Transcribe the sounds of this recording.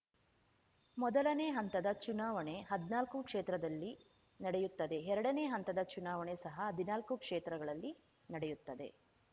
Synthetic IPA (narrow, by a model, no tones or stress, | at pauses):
mɔd̪ɐlɐne̞ːɦɐnt̪ɐd̪ɐt͡ʃunaːʋɐɳe̞ɦɐd̪naːlkukʂeːt̪ɾɐd̪ɐlːi | nɐɽejut̪ːɐd̪e̞ɛɾɐɽɐneːɦɐnt̪ɐd̪ɐt͡ʃunaːʋɐɳesɐɦɐɦɐd̪ʱinaːlkukʂeːt̪ɾɐɡɐɭɐlːi | nɐɽejut̪ːɐd̪e̞̰